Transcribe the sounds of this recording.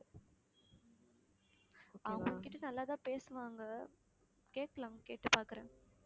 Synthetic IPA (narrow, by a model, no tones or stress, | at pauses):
ɐʋɐɡɐɭkːɪʈːɯnɐlːaːt̪ãːpeːsɯʋaːŋɡɐ | keːʈkːɐɭãːkeːʈːɯpaːɾkɯɾḛ̃ː